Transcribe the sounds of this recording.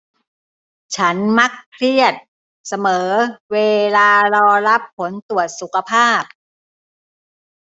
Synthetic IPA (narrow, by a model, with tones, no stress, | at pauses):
t͡ɕʰa˦˥nma˦˥kʰːɾi˥˩ət̪̚ | sa˧mɤː˩˦weː˧laː˧ɾɔː˧ɾa˦˥pʰːo˩˦nt̪u˨˩ət̪̚su˨˩kʰa˧pʰaː˥˩p̚